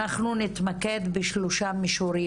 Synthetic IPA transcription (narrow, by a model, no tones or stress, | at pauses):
aχnunit̪maked̪beʃluʃamiʃuɾi